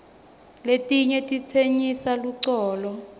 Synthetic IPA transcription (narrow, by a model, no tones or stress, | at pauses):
letʼiɲɛtʼit͡sʰeɲisaluǀɔːlɔ